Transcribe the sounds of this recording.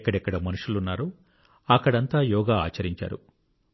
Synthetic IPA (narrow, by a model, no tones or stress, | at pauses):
kːɐɽɛkːɐɽɐmɐnuʂulunːaːɾu | ɐkːɐɽɐnt̪aːjɔːɡaːa̰ːt͡ʃɐɾiɲt͡ʃa̰ːɾu